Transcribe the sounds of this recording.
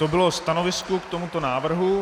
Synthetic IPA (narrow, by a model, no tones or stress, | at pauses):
obɪlost̪ano̞vɪskukt̪omut̪o̞naːvr̩ɦu